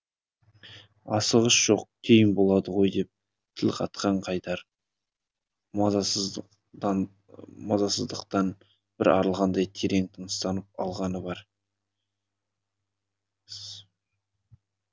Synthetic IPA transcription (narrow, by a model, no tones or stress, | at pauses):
ɑsəʁəsʒ̥o̞q̚kʲʰe̞jɪnbo̞lˠɑd̪əʁo̞jd̪e̞p̚ | t̪ʰɪlqʰɑt̪̚qɑɴqʰɑjt̪ɑɾ | mɑzɑsəzd̪əqt̪ɑn | b̥ɪɾɑ̰ɾəlˠʁɑnd̪ɑjt̪ʰeɾe̞ŋt̪ʰənəst̪ɑnəp̚ɑ̰lˠʁɑnəbɑɾ